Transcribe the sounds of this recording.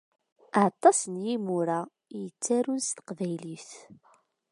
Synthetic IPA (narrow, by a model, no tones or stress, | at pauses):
at̪ˤːɑsənjimuɾa | jət͡sːaɾunst̪ə̥qvæjliθ